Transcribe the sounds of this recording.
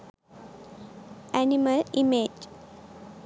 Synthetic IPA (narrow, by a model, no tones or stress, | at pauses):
æniməlimed͡ʒ